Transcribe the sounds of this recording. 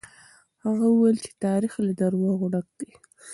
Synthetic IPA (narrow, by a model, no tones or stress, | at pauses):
haɣawuwajlt͡ʃe̥t̪ɑɾixlad̪aɾwɑɣʊɽak̚d̪̥e